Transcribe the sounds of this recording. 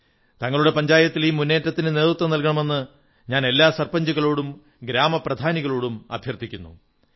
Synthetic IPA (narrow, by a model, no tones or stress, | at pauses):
t̪ɐŋːɐɭuɽe̞pɐɲd͡ʑaːjɐt̪ːilmːunːe̞ːtːɐt̪ːinɨne̞ːðrut̪ːʋɐnɐlkɐɳɐme̞nːɨ | ɲaːne̞lːaːsɐrpɐɲd͡ʑuɣɐɭoːɽum | ɡɾaːmɐprɐd̪ʱaːniɣɐɭoːɽumɐ̰bʱjɐrt̪ʰikʲːunːṵ